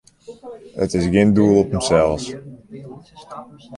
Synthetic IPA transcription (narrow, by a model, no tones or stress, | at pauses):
ə̰tɪsɡɪnduəlˠɔpəmsɛlˠs